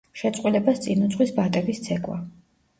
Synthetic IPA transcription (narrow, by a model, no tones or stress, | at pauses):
ʃɛt̪sʼqʼwilɛbast̪sʼinut̪sʰʼχwisbat̪ʼɛbist̪sʰɛkʼwa̰